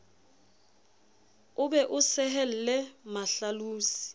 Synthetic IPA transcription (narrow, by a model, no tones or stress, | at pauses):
ʊbɛʔʊsɛɦɛl̩lɛmaɬaluːsi̥